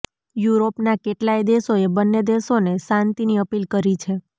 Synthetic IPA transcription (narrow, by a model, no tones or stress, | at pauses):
juɾopnakeʈlajd̪eʃoebənːed̪eʃonesãnt̪iniəpilkəɾit͡ʃʰe